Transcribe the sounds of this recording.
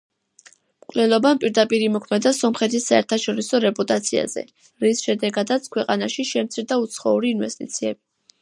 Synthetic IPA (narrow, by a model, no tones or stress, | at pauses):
mkʼlɛlˠɔbampʼiɾd̪apʼiɾimɔkʰmɛd̪asɔmχɛt̪ʰisːaɛɾt̪ʰaʃɔɾisɔɾɛpʼut̪ʼat̪sʰia̰zɛ̰ | ɾisʃɛd̪ɛɡad̪at̪sʰkʰwɛqʼanaʃiʃɛmt̪sʰiɾd̪aut̪sʰχɔuɾiːnvɛst̪ʼḭt̪sʰiɛbi